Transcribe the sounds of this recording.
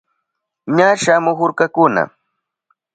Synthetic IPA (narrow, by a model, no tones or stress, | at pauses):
ɲaʃamʊxʊɾkakʊna̰